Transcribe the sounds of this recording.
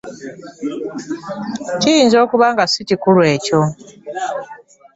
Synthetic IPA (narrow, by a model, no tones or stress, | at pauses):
cijiːnzo̞ːkuβaŋɡasicikulwe̞ːco̞